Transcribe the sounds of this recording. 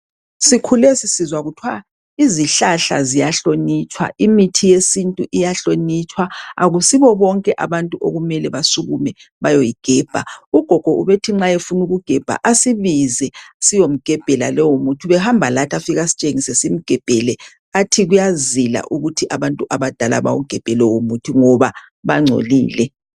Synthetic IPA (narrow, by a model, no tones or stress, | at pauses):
sikʰulɛsisizwaɣutʰwa | iziɬaɬa̰zijaɬonit͡ʃʼwa̰ʔimitʰijesintʼuʔijaɬonit͡ʃʰʼwaa̰ɣusiβɔβɔŋkʼɛʔaβantʼuʔo̰ɣumɛlɛβasuɣumɛ | βajojiɡ̥ʱɛːb̥ʱa̰uɡ̥ʱɔɡ̥ʱɔʔuβetʰiŋ͡ǁajefunuɣuɡ̥ʱɛb̥ʱa̰ʔasiβizɛsijom̩ɡ̥ʱɛb̥ʱɛla̰lɛwomutʰuβɛhambʱalatʰafiɣasi̥t͡ʃʼeŋisɛsim̩ɡ̥ʱɛb̥ʱɛlɛ | atʰiɣujazila̰ʔuɣutʰiʔaβantʼuʔaβad̥ʱala̰βa̰wṵɡ̥ʱɛb̥ʱɛlɛwomutʰiŋɔβa | βaŋ͡ǀʱo̰lḭːlɛ